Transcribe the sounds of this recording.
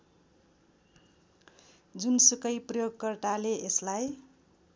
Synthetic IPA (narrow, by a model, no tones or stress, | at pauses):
d͡zunsukʌjprʌjoɡkʌrt̪aleʔeslaj